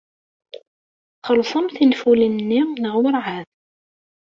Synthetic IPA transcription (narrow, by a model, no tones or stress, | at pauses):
χəlsˤəmθinfulinnːinəʁwəɾʕað